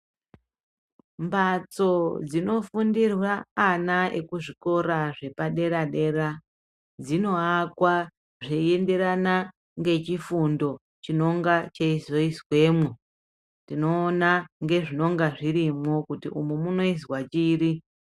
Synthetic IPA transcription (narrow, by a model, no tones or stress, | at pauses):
mbat͡so̞d͡zino̞fundirwaːnaʔe̞̰kuʐiko̞ɾaʐe̞paɗe̞ɾaɗe̞ɾa | d͡zino̞akwa | ʐee̞nde̞ɾana | ŋɡe̞t͡ʃifundo̞ | t͡ʃino̞ŋɡat͡ʃeizo̞iswe̞mwu | ntino̞ːnaŋɡe̞ʐino̞ŋɡaʐiɾimo̞kutḭʔumumuno̞izwat͡ʃiːɾi